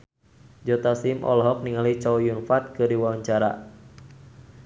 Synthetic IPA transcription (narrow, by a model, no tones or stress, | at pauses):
d͡ʒɔt̪asimʔɔ̰lɦɔk̚niŋalit͡ʃɔwjunfat̪̚kɨdiwawaɲt͡ʃaɾa̰